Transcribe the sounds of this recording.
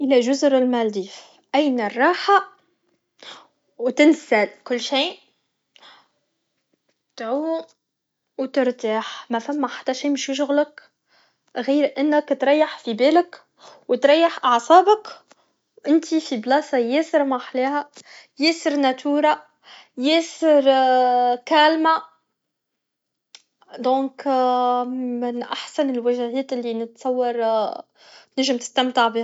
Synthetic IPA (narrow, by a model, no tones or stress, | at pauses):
ʔɪlæʒʊzɾɪlmæld̪iːf | ʔæjnarˤːɑːħa | wt̪ɪnsælkʊlːʃiː | t̪ʕuː | wt̪əɾt̪aːħmæfæmːæħḁt̪ːæʃiːmʊʃjɪʃ̬ʊɣlək | ɣiːɾʔɪnːəkt̪ɾˤɑjːaħfibeːlək | wt̪ɾˤɑjːaħʔɑʕsˤɑːbək | wʔɪnt̪ifiblɑːsɑjeːsəɾmaħleːhæ | jeːsəɾnæt̪ʰuːɾa | jeːsɪɾ | kæːlmæ | d̪õːk | mɪnʔaħsanɪlwæʒhɛːt̪ɪlːinɪt̪sˤɑwːɑɾˤ | t̪naʒːɪmt̪ɪ̥st̪amt̪ɪʕbiːh